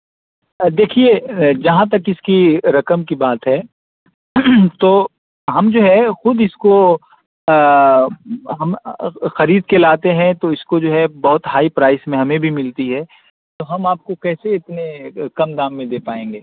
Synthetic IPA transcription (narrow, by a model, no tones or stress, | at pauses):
d̪eːkʰied͡ʒɐɦãt̪̬ɐkɪskiɾɐkəmkibaːt̪ɦɛ | t̪oː | ɦɐmd͡ʒoːɦɛxʊd̪ɪsko | ɦɐmxɐɾiːd̪̚kelaːt̪eɦɛ̃t̪oɪskod͡ʒoːɦɛbɐɦʊt̪ɦaːipɾaːɪsmẽɦɐmẽbʱimɪlt̪iɦɛː | t̪oɦɐmaːp̚kokɛːseɪt̪nekɐmd̪ãːmːẽd̪eːpaːẽːŋɡeː